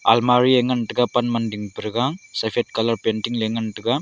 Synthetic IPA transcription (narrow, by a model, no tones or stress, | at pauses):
a̰lmaɾieŋɡɐnʈɯɡɐpɐnmɐndiŋpɾɯɡaŋsɐfʰeʈ̚kɐlɐɾpenʈiŋleŋɡɐnʈɯɡa